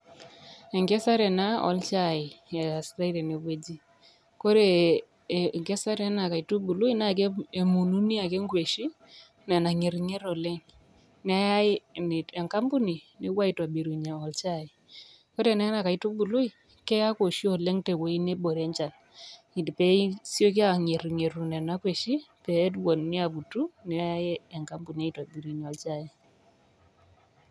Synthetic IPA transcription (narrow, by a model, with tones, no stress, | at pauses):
ɛ˨ŋɡe˦sa˦ɾɛ˨na˦ɔ̰˨˦lt͡ʃa˦˨ɪ˨ɛ˨a˨si̥˦ɾa˦i˦ɾe˨ne˨we˦d͡ʒi˦ | ko˦ɾe˨ | ŋɡɛ˦sa˦ɾɛ˦na˨ka˨i˨tu˦bu˨lu˦i˦na˦˨ke˦e˨mu˨nu˦ni˦a˨ke˦ŋɡwe˨ʃi˦ | na˨na˨ŋe˨ɾŋe˦ɾɔ˨lɛ˦ŋ | na˦ja˦n˨ɛ˨ŋka˦mbu˦ni˨ | ne˦wa˦i˨twa˨bi˨ɾu˨ɲa˨ɔ˨lt͡ʃa˦˨ɪ˨ | ko˦tɛ˨nɛ˦na˨ka˨i˦tu˦bu˨lu˦i˦˨ | kɛ˦ja˦ko˨ʃi˦ɔ˨lɛ˦ŋtɛ˨kwe˨˦i˦ne˦ɓo˨ɾɛ˦ɲt͡ʃa˨l | i˨dpɛ˦sjo˦k̬i˦a˦˨ŋe˨ɾi˨ŋe˨ɾu˨nɛ˨na˦kwe˨ʃi˦pɛ˨˦twɔ˨nni˦a˨pu˨tu˦nɛ˨˦a˦a˦jɛ˦ɛ˨ŋka˦mbu˨ni˨a˦i˨ta˨bi˨ɾu˨ɲ˨ɔ˨lt͡ʃa˦˨je˨